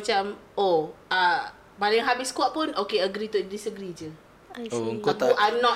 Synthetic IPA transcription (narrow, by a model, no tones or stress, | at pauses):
at͡ʃam | oa | balaaŋɦabiskuwaʔpʊnokeəɡɾit̪udisəɡɾid͡ʒə | oŋuʔajmnɔ